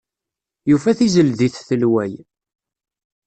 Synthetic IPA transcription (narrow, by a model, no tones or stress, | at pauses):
jufæθizəlðiθθəlwæj